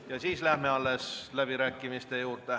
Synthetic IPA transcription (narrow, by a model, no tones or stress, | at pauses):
jɑsiːslæhmeɑlːeslæb̥iɾæːkːimist̪ejuːrt̪ˑe